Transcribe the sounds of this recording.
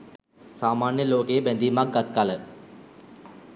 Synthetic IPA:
saːmaːnjəloːkejebænd̪iːmak̚ɡat̪̚kalə

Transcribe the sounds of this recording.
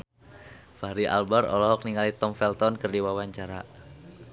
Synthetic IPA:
faɾiʔa̰lbarɔlɔɦɔk̚niŋalit̪ɔmfɛlt̪ɔnkɨrdiwawaɲt͡ʃaɾa

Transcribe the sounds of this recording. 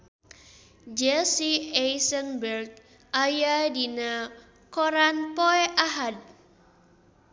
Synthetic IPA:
d͡ʒɛsiɛjsənbərɡ̚ | ʔajadina | kɔɾanpɔɛʔaɦad̚

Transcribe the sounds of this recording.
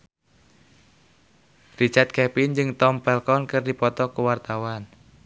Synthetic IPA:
rit͡ʃart̪̚kɛpind͡ʒɨŋt̪ɔmpɛlkɔnkɨrdipɔt̪ɔkuwart̪awan

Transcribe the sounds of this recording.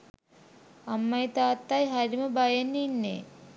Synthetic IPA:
ɐmːɐjt̪aːt̪ːajɦɐɾiməbɐjenːinːḛː

